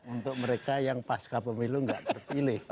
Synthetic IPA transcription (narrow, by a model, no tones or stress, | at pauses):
unt̪ʊk̚məɾekajaŋpaskapəmiluŋɡaʔt̪ərpilɪh